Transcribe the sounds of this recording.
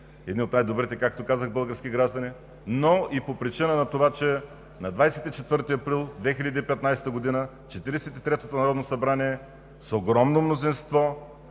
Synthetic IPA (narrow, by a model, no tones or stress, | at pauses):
ɛd̪niot̪najd̪obɾit̪ɛkakt̪okazəɣbɤlˠɡəɾskʲiɡɾaʒd̪ɐni | noipopɾit͡ʃinənɐt̪ovat͡ʃɛ | nɐd̪vajsɛt̪it͡ʃɛt̪vɤɾt̪iɐpɾilˠd̪vɛxilʲəd̪iːpɛt̪najsɛ̥t̪əɡod̪inə | t͡ʃɛt̪iɾɛsɛt̪it̪ɾɛt̪ot̪onɐɾɔd̪nosɐbɾaniɛ | soɡɾɔmnomnozinst̪vɔ